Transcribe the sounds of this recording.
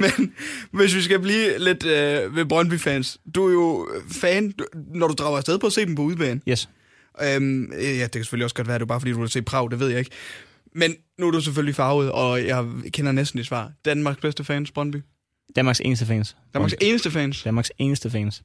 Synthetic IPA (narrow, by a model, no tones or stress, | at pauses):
menʋe̝s̬ʋisɡ̥æbliːle̝d̥øʋebʁɶnb̥yfɛːnsd̥uæɐjo̝fɛːnnɒɾud̥ʁɑ̈ʊɐsdeð̞ˠpʰɒ̽ːse̝̰ːd̥m̩pʰɒ̽uðˠb̥ɛ̰ːn̩js | ʔømjæd̥e̝kʰæse̥føliɒ̽sɡ̥ɒd̥ʋæːɐd̥e̝obɑ̈ːfdḭːd̥uhse̝̰ːd̥̚pʰʁɑ̈ʊd̥e̝ʋe̝ð̞̰ˠjɑ̈e̝ɡ̥ | menːuæɐɾusef̬øllifɑ̈ːʊð̩ˠɒ̽jɑ̈ɪkʰenɐnesd̥n̩id̥sʋɑ̰̈ːd̥ænmɑ̈ːɡ̥sb̥esd̥əfɛːnsb̥ʁɶnb̥y | d̥ænmɑ̈ːɡ̥sḛːnəsd̥əfɛnsd̥ænmmɑ̈ɡse̝ːnəsd̥əfɛːnsd̥ænmɑ̈ɡ̥seːnəsd̥əfɛːns